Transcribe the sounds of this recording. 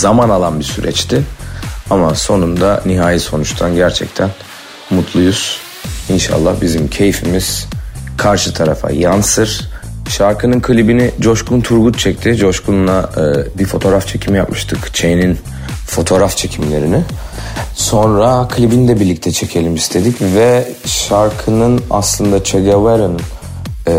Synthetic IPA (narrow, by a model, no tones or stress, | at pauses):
zamanalˠanbiɾsyɾɛ̰t͡ʃt̪ʰɪ | amaso̞nund̪aniɦaːjiso̞nut͡ʃt̪ʰanɟæɾt͡ʃʰɛ̰ct̪ʰæn | mut̪ʰlˠujuz̥ | inʃa̰lˠːahbizimcʰe̞jifimiz̥kʰaɾʃɯt̪ʰaɾafa̰jansɯɾ̥ʃaɾkʰɯnɯnkʰɯlʲibinɪd͡ʒo̞ʃkunt̪ʰuɾɡut̪̚t͡ʃʰɛc̚t̪ʰid͡ʒo̞ʃkʰunnabifo̞t̪ʰo̞ːɾaft͡ʃʰe̞cʰimijapmɯʃt̪ʰɯkt͡ʃʰejnin | fo̞t̪ʰo̞ːɾaft͡ʃʰe̞cʰimlʲe̞ɾinɪ | so̞nɾakʰɯlʲibinid̪ɛbiɾlʲic̚t̪ʰɛt͡ʃʰe̞cʰe̞lʲimist̪ʰe̞d̪icvɛ | ʃaɾkʰɯnɯna̰slˠɯnd̪at͡ʃʰeɡavaɾɯn